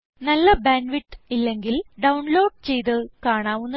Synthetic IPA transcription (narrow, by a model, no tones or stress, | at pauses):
nɐlːɐbaːnɖʋiʈːilːe̞ŋɡilɖɐwɳlo̞ːɖ̚t͡ɕejt̪̬ɨkaːɳaːʋunːɐ